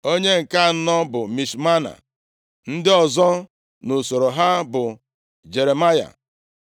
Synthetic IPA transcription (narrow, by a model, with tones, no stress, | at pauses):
o˦ɲe˦ŋ̩˨ka˦˨˦nɔ˦bʊ˨mi˨ʃma˦na̰˨ | n̩˦dɪ˦ɔ˨zɔ˦ | no˨so˨ɾo˨ɦa˦bʊ˨ | d͡ʒe˨ɾe˨ma˦ja̰˨